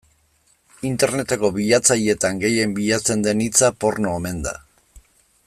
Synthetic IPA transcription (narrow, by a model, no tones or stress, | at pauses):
int̪e̞ɾne̞t̪eko̞βiʎat͡sajie̞t̪aŋɡe̞je̞mbiʎat͡se̞nd̪e̞nit͡sapo̞ɾnoeme̞nd̪a̰